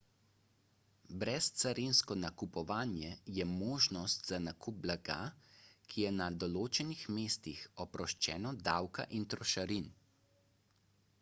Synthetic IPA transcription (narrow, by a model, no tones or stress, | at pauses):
bɾɛst̪saɾinskɔnakupɔʋaːnjɛjɛmoːʒnɔst̪zanakʰup̚blaɡa̰ːkʰijɛnad̪ɔloːt͡ʃɛnixmeːst̪ixɔpɾɔʃt͡ʃɛːnɔd̪awka̰ʔint̪ɾɔʃaɾin